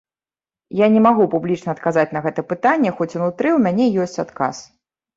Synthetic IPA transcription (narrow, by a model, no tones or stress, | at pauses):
janʲɛmaɣupublʲit͡ʂnɐːt̪kazat͡sʲnɐɣɛt̪ɐpɨt̪anʲːɛxɔt͡sʲunut̪ɾɨwmʲanʲɛjɔsʲt͡sʲat̪ka̰s